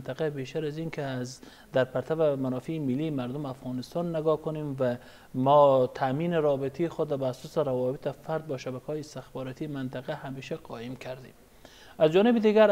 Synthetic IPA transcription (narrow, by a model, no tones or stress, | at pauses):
nt̪aqabeʃt̪aɾazinkɪaz | d̪aɾpaɾt̪ʰavamanɔfiːmɪlːimaɾd̪ʊmafɣɑnɪst̪ɑnːɪɡɒkʊnemva | mɔt̪ʰaminɪɾɒbɪt̪ʰijːxʊd̪ɾɔbaːsɔːsɪɾawɒbɪt̪ɪfaɾd̪̚bɔːʃabækhɔːjiɪst̪ɪxbɔɾɔt̪ʰimant̪aqahameʃaqɒimkʰaɾd̪em | azd͡ʒɒːnɪbid̪iɡaɾ